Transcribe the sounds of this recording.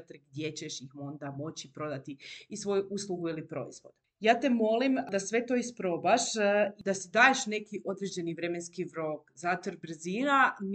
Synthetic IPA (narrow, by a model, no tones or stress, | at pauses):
t̪ɾɡ̚d̪ʲje̞t͡ɕeʃjixmo̞nd̪amo̞t͡ɕipɾo̞d̪at̪iisʋo̞juʔuːslˠuɡuilipɾo̞̰ḭzʋo̞d̪ | jaːt̪emo̞limd̪asʋe̞t̪o̞ispɾo̞baʃid̪asid̪aːjeʃne̞kiʔo̞d̪ɾed͡ʑe̞niʋɾeme̞nskiʋɾo̞kzat̪əɾbr̩ziːnan